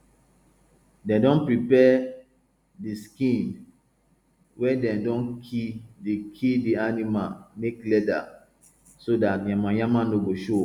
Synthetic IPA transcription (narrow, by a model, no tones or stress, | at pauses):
dɛ̃dɔ̃npɹipɛ | diskĩn | wɛdɛ̃ndɔ̃nkʰidekʰidianimalmeklɛda̰ | sodatjãmãjãmãnoboʃo